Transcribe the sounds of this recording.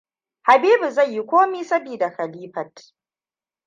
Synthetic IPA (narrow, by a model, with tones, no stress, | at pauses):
ha˨biː˦bu˨zɐ˦˨jji˦kʷoː˦miː˦sɐ˦biː˨da˨kɐ˨liː˦ɸɐ˨t